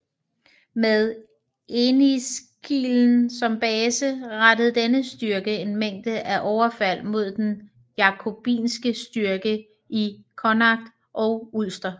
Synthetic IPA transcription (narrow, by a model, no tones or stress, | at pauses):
meðˠ | ʔenis | ɡ̥ʰḭːln̩sɒ̽mb̥ɛːsəʁad̥əð̩ˠd̥enəsd̥yɐɡ̥əe̝nmeŋ̰d̥əʔæʔɒʊɐfæl̰mo̝ð̞̰ˠd̥en | jɑ̈kʰo̝b̥ḭːnsɡ̥əsd̥yɐɡ̥ə | ʔikʰɒnɑ̈ɡ̥̚d̥ | ʔɒ̽ʊul̰sd̥ɐ